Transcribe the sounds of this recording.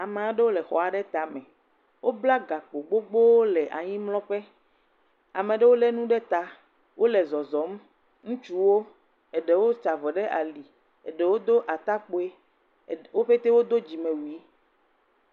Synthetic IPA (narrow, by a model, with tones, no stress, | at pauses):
a˨mẽ˨a˨ɖe˦wo˦lɛ˨xɔ̰˨a˨ɖɛ˦t̪a˨mɛ̃˨ | wo˦bla˦ɡa˨k͡po˨ɡ͡bo˦ɡ͡bo˦wo˦lɛ˨ʔa˨ɲĩ˦mlɔ̃˦ɸɛ˦ | a˨mẽ˨ɖe˦wo˦lɛ˦nũ˦ɖɛ˦t̪a˨ | wʔo˦lɛ˨zɔ˨zɔ˨˦m | ŋũ˦t͡ʃu˦wo˦ | e˨ɖe˨wo˦t͡ʃa˨vɔ˨ɖɛ˦ʔa̰˨li˨ | e˨ɖɛ˨wo˦d̪o˦ʔa˨t̪a˦k͡po˨e˦ | wo˦ɸe˦t̪e˦wo˦d̪o˦d͡ʑi˨mẽ˨wu˨i˦